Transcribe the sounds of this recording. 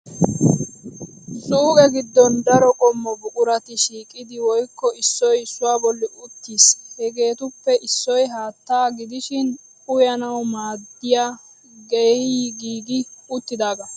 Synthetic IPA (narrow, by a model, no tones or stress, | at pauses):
sʼuːkʼɛɡɪd̪ːɔnd̪ɐɾɔkʼɔmːɔbʊkʼʊɾɐt̪ɪʃiːkʼɪd̪ɪwɔjkːɔɪsːɔjɪsːʊwaːbɔlːɪʔʊt̪ːiːshɛɡe̞ːt̪ʊpːɛʔɪsːɔjɦaːt̪ːaːɡɪd̪ɪʃɪnʼ | ʊjɐnɐwmaːd̪ːɪja | ɡɛɡiːɡɪʊt̪ːɪd̪aːɡɐ